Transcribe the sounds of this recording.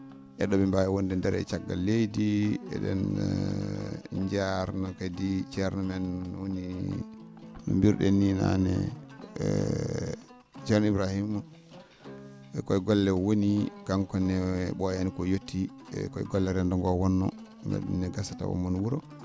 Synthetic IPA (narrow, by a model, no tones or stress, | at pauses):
ʔɛɗɔmɛmbajɛwondɛndɛɾɛ̰t͡ʃaɡːa̰lːejdiɛ̰ɗɛ̰n | d͡ʒaɾnɔkadit͡ʃɛɾnɔmɛnwoni | nṵmbiɾɗɛnina̰nɛ̰ | t͡ʃɛɾnibɾahimːɔ | ɛkɔjɡɔlːɛwonikaŋkɔnɛɓɔjanikɔjotːi | kɔjɡɔlːɛɾɛndɔŋɡɔwɔnːɔ | mɛ̰ɗṵnːɛɡasata̰wɔ̰mːɔnwuɾɔ